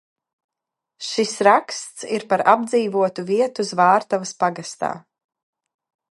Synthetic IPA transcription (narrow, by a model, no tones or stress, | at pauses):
ʃisɾakst̪siɾpaɾab̚d̪ziːvuɔt̪uviɛt̪uzvaːɾt̪avɐspaɡast̪a̰ː